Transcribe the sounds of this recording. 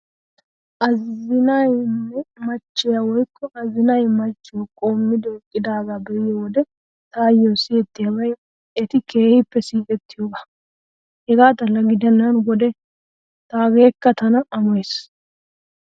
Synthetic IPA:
ʔɐzɪnɐjnːɛmɐt͡ʃːɪjawɔjkːɔʔɐzɪnɐjmɐt͡ʃːɪjɔkʼo̞ːmːɪd̪ɔkʼːɪd̪aːɡabɛɪjɔwɔd̪ɛ | t̪aːjːɔseːt̪ːɪjɐbɐj | ɛt̪ɪkʰe̞ːhɪpːɛsiːkʼɛt̪ːɪjoːɡɐ | hɛɡaːt̪ɐlɐɡɪd̪ɛnːɐnwɔd̪ɛ | t̪aːɡe̞ːkːɐt̪ɐnɐɐmɔes

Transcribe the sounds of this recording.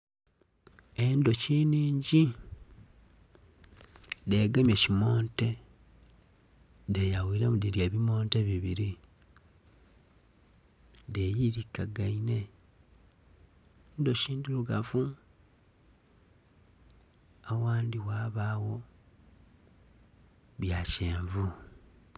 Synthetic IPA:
e̞ndo̞ciniːɲɟi | deɡamjecimo̞ːnte̞ | dejawiɾemudiɾjeβimo̞ːnteβiβiɾi | dejiɾikːaɡaine̞ | ndoʃiːndiluɡafu | awaːndiwaːβawo̞ | βjaceːɱvu

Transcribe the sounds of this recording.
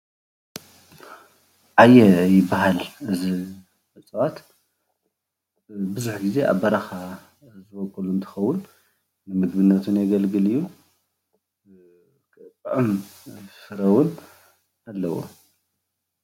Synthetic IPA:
ʕajɛjɪbːaɦalɨzi | ħɨt͡sʼwat̪ | bɨzuħɡize̞ʔa̰βɐɾaxa | zɨbɐkʼːɐlunt̪ʰɨ̥xɐwːʊnː | ɨmɨɡbɨnːɐt̪ʰunjaɡɐlɡɨlijːu | kʼtʼʔɨmsɨɾɐwun | alːɐwo̰

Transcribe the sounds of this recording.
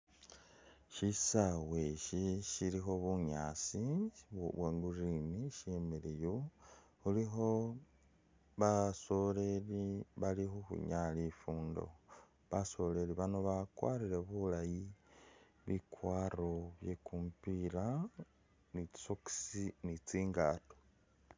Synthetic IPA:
ʃisaweʃiʃilixo̞βuɲaːsiββwaŋɡuriniʃemelejo | xulixo̞ | βaso̞le̞liβalixuxṵɲalifuːndo̞̰ | βaso̞le̞liβanoβakwa̰ːɾile̞βulaji | βikwaːroβje̞kuːmpila | ni̥soki̥sinit͡siːŋɡaːto̥

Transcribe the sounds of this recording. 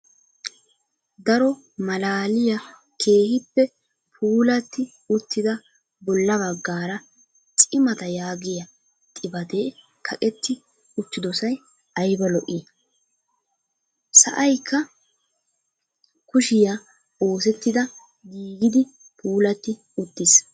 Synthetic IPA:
d̪ɐɾɔ | mɐlaːlɪjɐ | kʰe̞ːhɪpːɛ | pʰuːlɐt̪ːɪ | ʊt̪ːɪd̪ɐ | bɔlːɐbɐɡːaːɾɐ | t͡ʃʼɪmɐt̪ɐjaːɡɪjɐ | t̪ʼɪbɐd̪eː | kʰɐkʼɛt̪ːɪ | ʊt̪ːɪd̪ɔsɐj | ʔɐjbɐlɔʔɪ | sɐ̰ʔɐjkʰːɐ | kʊʃɪja | o̞ːsɛt̪ːɪd̪ɐ | ɡiːɡɪd̪ɪ | pʰuːlɐt̪ːɪ | ʊt̪ːɪs

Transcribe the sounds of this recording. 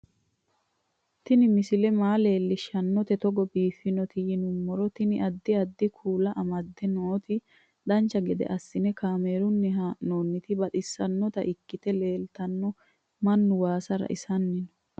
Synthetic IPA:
t̪ɪnɪmɪsɪlɛmaːle̞ːlːɪʃɐnːɔt̪ɛt̪ɔɡɔbiːfɪnɔt̪ɪjɪnʊmːɔɾɔt̪ɪnɪʔɐd̪ːɪɐd̪ːɪkʰuːlɐʔɐmɐd̪ːɛnoːt̪ɪ | d̪ɐnt͡ʃːɐɡɛd̪ɛ̰ʔɐsːɪnɛkaːmeːɾʊnːɛɦanoːnːɪt̪ɪbɐt̪ɪsːɐnːɔt̪ɐ̰ʔɪkːɪt̪ɛle̞ːlt̪ɐnːɔ | mɐnːʊwaːsɐɾɐ̰ʔɪsɐnːɪnɔ

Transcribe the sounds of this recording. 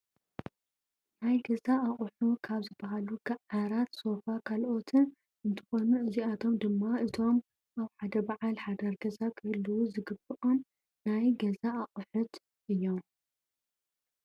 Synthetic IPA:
najɡɐzaːχʼħukʰaβzɨbːɐɦaluɡɐʕaɾat̪so̞fakʰalʔo̞t̪ʰɨn | ɨnt̪ʰɨ̥xo̞nuʔɨziat̪ʰo̞md̪ɨmːaɨt̪ʰo̞m | ʔaβħad̪ɐbaʕalħad̪ɐɾɡɐzakʰɨhluwuzɨɡɨb̥ɨʔonː | ajɡɐzaːχʼħʊt̪ | ʔɨjːo̞m

